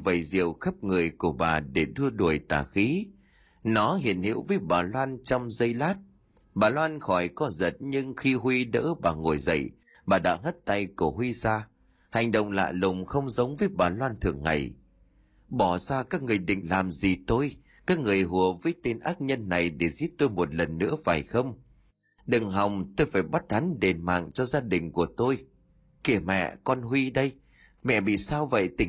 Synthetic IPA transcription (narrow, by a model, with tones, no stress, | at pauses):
və˧˨˩jzḭ˧˨əwxə˦˥p̚ŋɨ˨˩əjku˧˩əɓaː˨˩ɗe˧˩ɗɨ˧əɗu˨˧˩əjt̪aː˨˩xi˨˦ | nɔ˨˦ɦḭ˧˨ənhḭ˧˥əwvəː˨˦jɓaː˨˩lwaː˧nt͡ɕɔ˧wŋ͡mzə˧jlaː˦˥t̚ | ɓaː˨˩lwaː˧nxɔ˧˩jkɔ˨˦zə˨˩t̚ɲɨ˧ŋxi˧ɦwi˧ɗə̰ː˧˥ɓaː˨˩ŋo˨˩jzə̰˧˨j | ɓaː˨˩ɗa̰ː˧˥ɦə˦˥t̚t̪a˧jku˧˩əɦwi˧saː˧ | ha˨˩jŋ̟ɗə̰˧˨wŋ͡mla̰ː˧˨lʊ˨˩wŋ͡mxə˧wŋ͡mzə˨˦wŋ͡mvəː˨˦jɓaː˨˩lwaː˧nt̪ʰɨ˨˩əŋːa̰˨˩j | ɓɔ˧˩zaː˧kaː˦˥k̚ŋɨ˨˩əjɗḭ̈˧˨ŋ̟laː˨˩mzi˨˩t̪o˧j | kaː˦˥k̚ŋɨ˨˩əjɦu˨˩əvəː˨˦jt̪i˧nʔaː˦˥t̚ɲə˧nːa˨˩jɗe˧˩zi˦˥t̚t̪o˧jmo˨˩t̚lə˨˩nːɨ̰˧˥əfaː˨˩jxə˧wŋ͡m | ɗɨ˨˩ŋɦa˨˩wŋ͡mt̪o˧jfaː˧˩jɓa˦˥t̚ha˨˦nɗe˨˩nma̰ː˧˨ŋt͡ɕɔ˧zaː˧ɗï˨˩ŋ̟ku˧˩ət̪o˧j | ki˧˩əmɛ̰˧˨kɔ˧nɦwi˧ɗə˧j | mɛ̰˧˨ɓḭ˧˨saː˧wvə̰˧˨jt̪ï˧˩